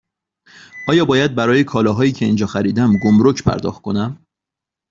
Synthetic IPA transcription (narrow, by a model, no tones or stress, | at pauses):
ʔɒːjɒːbɒːjæd̪̚bæɾɒːjekʰɒːlɒːɦɒːiːcʰe̞iːnd͡ʒɒːxæɾiːd̪æmɡomɾocʰpʰæ̰ɾd̪ɒ̰ːχxt̪̚kʰo̞næm